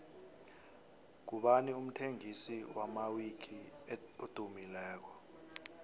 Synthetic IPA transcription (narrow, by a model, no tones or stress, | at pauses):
k̬uɓanium̩tʰeŋisiwamawikʰiod̥ʱumilɛːk̬ɔ